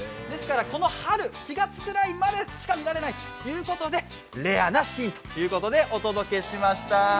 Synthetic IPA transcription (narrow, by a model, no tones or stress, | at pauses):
d̪e̞sɨ̥kaɾako̞no̞haɾɯ̟ɕiɡat͡sɨ̥kɯ̟ɾaimad̪e̞ɕi̥kamʲiɾaɾe̞nait̪o̥jɯ̟ːko̞t̪o̞d̪e̞ | ɾe̞anaɕiːt̪o̥jɯ̟ːko̞t̪o̞d̪e̞ʔo̞t̪o̞d̪o̞ke̞ɕimaɕi̥t̪a